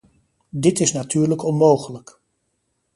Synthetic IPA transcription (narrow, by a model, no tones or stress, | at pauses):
dɪtɪsnatʰyːɹləkɔnmowχələk